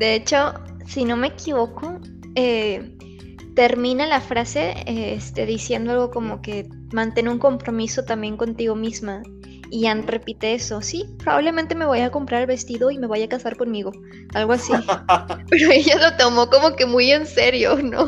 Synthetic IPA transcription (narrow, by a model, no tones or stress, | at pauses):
d̪e̞e̞t͡ʃo̞ | sino̞me̞ːkʰiβo̞ko̞ | e | t̪e̞ɾmĩnalafɾase̞eest̪e̞ðisje̞nd̪o̞alɣo̞ko̞mo̞ke̞ | mãnt̪e̞neuŋko̞mpɾo̞miso̞t̪ambje̞ŋko̞nt̪iɣo̞mizma | ianre̞pit̪e̞eso̞sipɾo̞βa̰βle̞mẽnt̪e̞me̞βojako̞mpɾaɾelβe̞st̪iðo̞ime̞βajakasaɾko̞nmiɣo̞ | alɣo̞asi | pe̞ɾo̞e̞ʝalo̞t̪o̞mo̞ko̞mo̞ke̞muje̞nse̞ɾjo̞no